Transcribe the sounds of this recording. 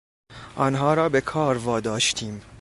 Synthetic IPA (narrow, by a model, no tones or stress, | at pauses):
ʔɒːnɦɒːɾɒːbe̞kʰɒːɾvɒːd̪ɒːʃt̪ʰiːm